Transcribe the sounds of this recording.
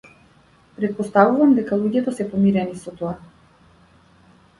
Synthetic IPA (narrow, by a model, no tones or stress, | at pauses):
pɾɛt̪̚pɔst̪avuvamd̪ɛkalˠuɟɛt̪ɔsɛpɔmiɾɛnisɔt̪oa